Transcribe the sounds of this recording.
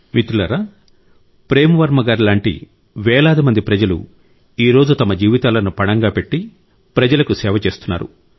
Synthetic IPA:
mit̪ulɐɾɐ | pɾeːmɐʋɐɾmɐɡaːɾilaːɳʈḭ | ʋɛːlaːd̪imɐnd̪ipɾɐd͡ʒɐlṵ | iːɾo̞ːd͡ʒut̪ɐmɐd͡ʒiːʋit̪aːlɐnupɐɳɐŋɡaːpe̞ʈːi | pɾɐd͡ʒɐlɐkusɛːʋɐt͡ʃe̞ːst̪unːaːɾṵ

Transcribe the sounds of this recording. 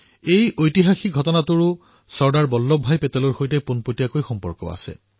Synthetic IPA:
ejʔojtiɦaxiɡʱɔtɔnatʊɹʊ | sɔɹdaɹbɔlːɔbʱajpɛtɔlɔɹxojtɛpunpotijakojxɔmpɔ̰ɹkɔ̰a̰sɛ̰

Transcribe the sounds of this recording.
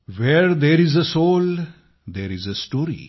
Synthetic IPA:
ʋeɾd̪eɾɪzəsoːl | d̪eːɾɪzəsʈoːɾḭ

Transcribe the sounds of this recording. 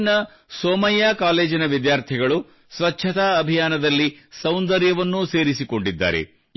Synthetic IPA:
nɐ | soːmɐjːaːkaːle̞ːd͡ʒinɐʋid̪jaːɾt̪ʰiɡɐɭu | sʋɐtːʰɐt̪aɐbʱijaːnɐd̪ɐlːisɐwnd̪ɐɾjɐʋɐnːuse̞ːɾisiko̞ɳɖid̪ːa̰ːɾḛ

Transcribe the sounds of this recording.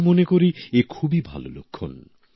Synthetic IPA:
monekoɾiekʰubibʱa̰lo̰lo̰kʰːo̰n

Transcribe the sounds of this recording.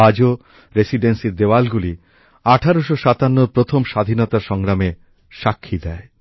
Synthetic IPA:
ad͡ʑo | ɾesiɖensiɾd̪ewalɡuli | aʈʰaɾoʃoʃat̪anːoɾpɾot̪ʰomʃad̪ʱinɔt̪aʃɔŋɾame | ʃakʰːid̪ɛe

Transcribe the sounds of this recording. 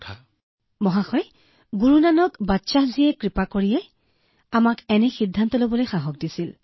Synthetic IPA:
a | mɔɦaxɔj | ɡuɹunanɔkbatːsazijɛkɹipakoɹijɛ | amakɛnɛxidʱːantɔlobɔlojxaɦɔk̚disil

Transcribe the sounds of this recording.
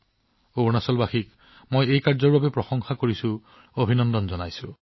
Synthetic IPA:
oɹnasɔlbaxik | mojejkaɹzɔɹbabepɹɔsɔŋxakoɹisu | obʱinɔnd̪ɔnzɔnajsu

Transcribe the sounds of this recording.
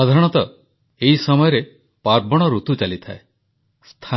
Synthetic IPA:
ɔd̪ʱaɾɔɽ̃ɔt̪ɔ | eɦisɔmɔjɔɾe | paɾbɔɽ̃ɔɾut̪ut͡ʃalit̪ʰae | st̪ʰa

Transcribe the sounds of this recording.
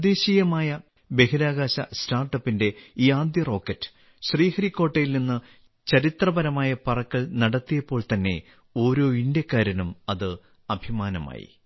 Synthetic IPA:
d̪eːɕijɐmaːjɐ | be̞hiɾaːɣaːɕɐ̰staːrʈːɐpːinde̞iːaːd̪jɐro̞ːkːɐtːɨ̥ | ɕriːhɐɾikːo̞ːʈːejilninːɨ | t͡ɕɐɾit̪rɐbɐɾɐmaːjɐpɐrɐkːɐɭnɐɽɐt̪ːijɐpːo̞ːɭt̪ɐnːe̞ | o̞ːɾo̞ːindjɐkːaːɾjɐnumɐðɨ | ɐbʱimaːnɐma̰ːjḭ

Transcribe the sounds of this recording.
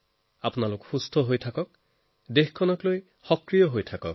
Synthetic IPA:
apunalʊkxust̪ʰɔɦojtʰakɔk̚ | dexkʰːɔnɔkloj | xɔkɹijɔɦojtʰakɔ̰k

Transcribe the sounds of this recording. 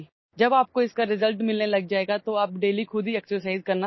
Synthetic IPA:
d͡ʒɐbaːp̚koɪskaɾɪzəlʈmɪlnelɐɡ̚d͡ʒaːeːɡat̪oɐːp̚ɖeːlikʰʊd̪ʱiɛksəsaːɪzkɐɾna

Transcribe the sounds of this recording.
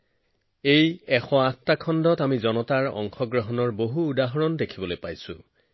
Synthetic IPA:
ejɛxɔattakʰɔndɔtamizɔnɔtaɹɔ̰ŋxɔɡɹɔɦɔnɔɹboɦuːdaɦɔɹɔndekʰibɔlojpajsʊ̰̃

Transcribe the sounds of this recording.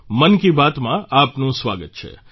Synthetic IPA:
mənkibat̪mãapnũsʋa̰ɡət̪̚t͡ʃʰḛ

